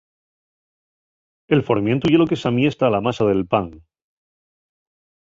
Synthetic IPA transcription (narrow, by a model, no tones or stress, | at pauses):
e̞lfo̞ɾmje̞nt̪uʝelokesamje̞st̪aːlamasaðe̞lpaŋ